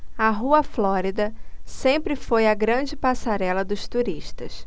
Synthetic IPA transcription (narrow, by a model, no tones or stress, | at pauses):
ɐɦuɐflɔɾid̪ɐsẽmpɾɪfojɐɡɾɐ̃d͡ʒɪpasaɾɛlɐd̪ʊʃt̪uɾiʃt̪ɐ̰s